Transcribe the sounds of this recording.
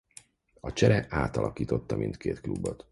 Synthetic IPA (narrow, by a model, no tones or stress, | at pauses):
ɒt͡ʃɛɾɛʔaːt̪ɒlʔɒkiːt̪o̞t̪ːɒmint̪kʰeːt̪klubːot̪